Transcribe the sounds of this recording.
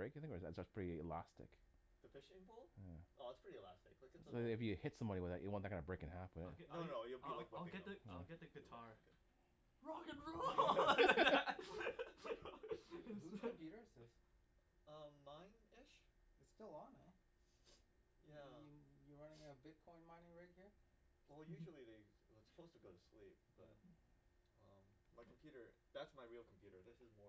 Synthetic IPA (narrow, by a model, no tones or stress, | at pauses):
bɹeɪkaɪθɪ̃ŋɨæ̰tsətspʰɹ̥ɪɾiɨlæstɨ̰k | ðɨfɪʃɪ̃ŋbʊlˠjæʔoʊætspʰɹ̥ɪɾiɨlæstɨk̚aɪkɨssoɨfjɨhɪtsʌ̃mʌ̃ɾniwɨðɨ̰t̚ʔɨʔ̚wɑ̃nðɨkʰãɪ̃ndəbɹeɪkɨ̃nhæfwɨðɪ̰t̚oʊnoʊjɨliak̚aɪlˠɡɛt̪̚ðɨaɪlˠɡɛt̪̚ðɨɡɨtʰɑɹ | ɹɑɡɨ̃nɹu | piɾə˞zɪs | ʌ̃mːãɪ̃n | ɪʃ | ɨtstɪlˠə̃nɛ | jæjə˞ɹʌ̃nɪ̃ŋɨɨbɪd̚kʰɔ̃ɪ̃nmãɪ̃nɪ̃ŋɹaɪt̚hiɹ | wɛlˠjʉʒl̩ˠiðeɪ | ətsə̥pʰoʊz̥tʰəɡoʊɾslḭp̚b̥ʌ̰t̚ | ʌ̃mmaɪkʰm̩pʰj̥ʉɾə˞ | ðætsmaɪɹilˠkʰm̩pʰj̥ʉɾə˞ðɪsɨzmɔɹ